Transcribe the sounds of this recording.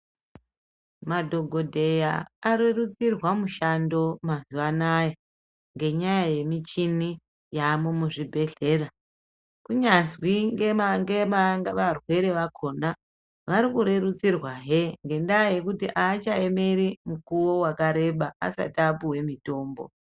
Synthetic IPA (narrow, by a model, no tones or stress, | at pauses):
madʱo̞ɡʱo̞dʱe̞jaːɾe̞rut͡sirwamuʃando̞mazuʋanaje | ŋɡe̞ɲajaje̞mit͡ʃini | jamomuʐibʱe̞ɮe̞ːra | kuɲazwiŋɡemaŋɡemaŋɡaʋarwe̞ɾe̞ʋakʰo̞na | ʋaɾikuɾe̞rut͡sirwaɦeŋɡe̞ndaje̞kutiʔaːt͡ʃaeme̞ɾimukuwo̞wakaɾe̞ɓaa̰sa̰tiapuwe̞mito̞ːmbo̞̰